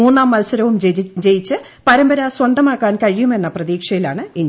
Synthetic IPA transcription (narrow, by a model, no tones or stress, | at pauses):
uːnːaːmːɐlsɐɾɐʋumd͡ʑe̞jit͡ɕːɨ | pɐɾɐmbɐɾaswɐnd̪ʱɐmaːkːaːnkɐɻijume̞nːɐprɐðiːkʂɐjilaːɳɨin